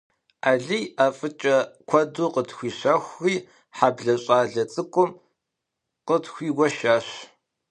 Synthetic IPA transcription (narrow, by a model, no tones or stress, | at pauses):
aːɮijaːfʼɨt͡ʃʼɐkʷʰɔduːqətxʷiːɕɐxʷxiː | ħaːbɮɐɕʼaːɮɐt͡sʼɨkʷʼʊm | qətxʷiːɡʷɔʃaːɕ